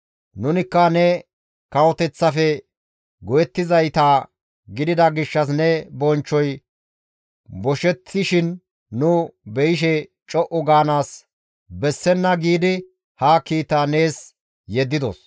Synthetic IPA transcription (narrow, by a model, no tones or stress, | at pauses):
nʊnɪkːɐnɛ | kɐwɔt̪ɛt͡sːɐfɛ | ɡɔjɛt̪ːɪzɐjt̪aː | ɡɪd̪ɪd̪ɐɡɪʃːɐs̬nɛbɔnt͡ʃːɔj | bɔʃɛt̪ːɪʃɪnː | ʊbɛɪʃ̬ɛ | t͡ʃʼɔʔɔɡaːnaːs | bɛsːɛnːɐɡiːd̪ɪ | haːkiːt̪ːaːne̞ːs | jɛd̪ːɪd̪ɔ̰s